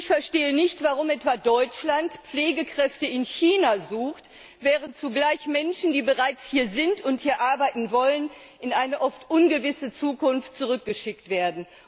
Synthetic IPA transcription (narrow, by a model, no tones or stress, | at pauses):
ɪçfɛɐʃteːənɪçtv̥aʁ̞ʊmʔɛtv̥adɔʏt͡ʃlantp͡fleːɡəkʁ̥ɛftəɪnçiːnazuːxt | vɛːʁəntt͡suɡlaɪçmɛnʃn̩diːbəʁaɪt͡shiːɐzɪntʊnthiːɐʔaɐbaɪtn̩vɔlən | ɪnʔaɪnəʔɔftʔʊnɡəvɪsət͡suːkʊnftt͡suʁʏk̚ɡ̥əʃɪk̚tv̥eːɐdn̩